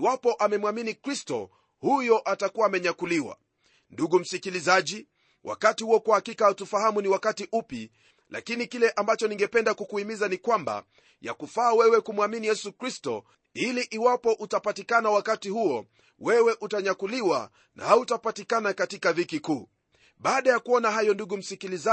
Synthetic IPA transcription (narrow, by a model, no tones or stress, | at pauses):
iwapɔʔamɛmwaminikɾistɔ̰ | hujɔʔatakuwaːmɛɲakuliwa̰ | nduɡum̩sikilizaʄi | wʔa̰katihuɔkwahakikautufahamuniwakatiʔupi | la̰kinikilɛʔambat͡ʃɔniŋɡɛpɛndakukuimizanikwamba̰ | ja̰kufaːwɛwɛkumwaminijɛsukɾistɔ̰ | iliʔiwapɔʔutapatikanawakatihuɔ | wɛwɛʔutaɲakuliwa̰ | nʔa̰hautapatikanakatikavikikuː | ɓaːɗajakuɔnaɦajɔnduɠum̩sikiliza